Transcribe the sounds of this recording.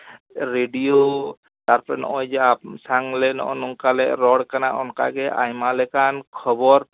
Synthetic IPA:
ɾeɖijo | t̪aɾpɔɾɛnɔ̰ʔɔjd͡ʒɛasaŋlɛnɔ̰ʔɔnuŋkalɛɾɔɽkanaʔɔnka̰ɡɛʔa̰jmalɛkankʰɔbɔɾ

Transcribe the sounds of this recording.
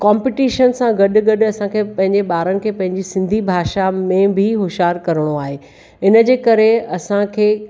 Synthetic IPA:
kaːmpɪʈiːʃənsãɡɐɗʊɡɐɗʊ̆ɐsãkʰeːpɐ̃ɦɪ̃ɲd͡ʑeɓaːɾənɪ̆kʰeːpɐ̃ɦɪ̃ɲd͡ʑisɪ̃nd̪ʱibʱaːʃamẽbɪɦʊʃɦaːɾkɐɾəɽ̃oaːɦeː | ɪnə̆d͡ʑeːkɐɾeɐsãkʰeː

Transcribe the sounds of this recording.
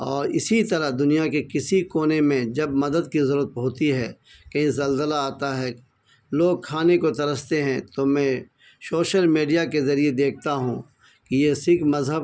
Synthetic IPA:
ɔːɾɪsit̪ɐɾaɦd̪ʊnijakekɪsikoːnemẽd͡ʒɐbmɐd̪əd̪̚kizɐɾuːət̪̚boːt̪iɦɛː | kɐɦĩzɐlzəlaaːt̪aɦɛː | loːɡ̚kʰaːnekot̪ɐɾəst̪eɦɛ̃t̪omɛ̃ | soːʃəlmeːɖijakezɐɾied̪eːk̚ʰt̪aɦũ | kijesɪkmɐzɦəb

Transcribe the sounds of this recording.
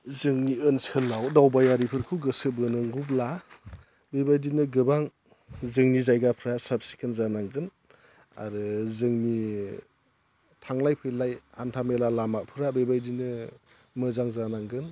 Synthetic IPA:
zɯŋniɯnsɯlawdawbajaɾipʰɯɾkʰuwɡɯsɯbɯnɯŋɡub̬la | bejbajdinɯɡɯbaŋ | zɯŋnizajɡapʰɾasap̚si̥kʰɯnzanaŋɡɯn | a̰ɾɯzɯŋni | tʰaŋlajpʰɯlajhantʰamelalamapʰɯɾabebajdinɯ | mɯzaŋzanaŋɡɯn

